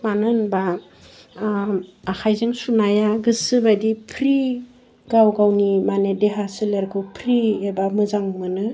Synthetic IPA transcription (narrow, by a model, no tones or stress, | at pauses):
manɯnba | kʰajzɯŋsunajaɡɯsɯbadipʰɾi | ɡawɡawnimanedeɦasɯleɾkʰɯwpʰɾiebamɯzaŋmɯnɯ